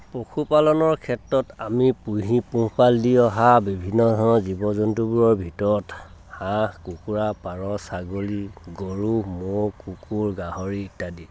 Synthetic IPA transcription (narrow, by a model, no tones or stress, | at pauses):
pɹokʰupalɔnɔɹkʰɛtɹɔtamipujɦipũpalːiɔɦabibʱinːɔdʱɔnɔzibɔzɔntubuɹɔɹbʱitɔɹɔt | hãkukuɹapaɹɔsaɡoliɡoɹumokukuɹɡaɦɔɹiitadi